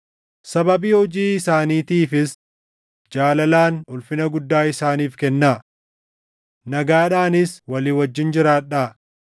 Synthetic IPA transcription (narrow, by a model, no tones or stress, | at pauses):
sɐbɐbiːhɔd͡ʒiːɪsaːniːt̪iːfɪs | d͡ʒaːlɐlaːnʊlfɪnɐɡʊd̪ːaːɪsaːniːfkɛnːa | nɐɡaːᶑaːnɪswɐliːwɐd͡ʒːɪnd͡ʒɪɾaːᶑa